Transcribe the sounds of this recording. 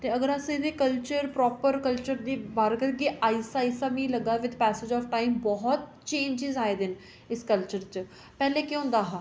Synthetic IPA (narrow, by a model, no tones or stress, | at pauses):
t̪eːəɡəɾəsə̃d̪eːkəlt͡ʃəɾpɾɔːpəɾkəlt͡ʃəɾd̪iːbaːɾkəɾɡiʔaːisaːisaːmĩːləɡaːʋɪt̪pɛːsed͡ʒɔːfʈaːimbɔɦɔt̪̚ | t͡ʃẽːɲd͡ʒɪzaːeːd̪ɪn | ɪskəlt͡ʃəɾt͡ʃ | pɛːleːkɪɦʊ̃nd̪aːɦãː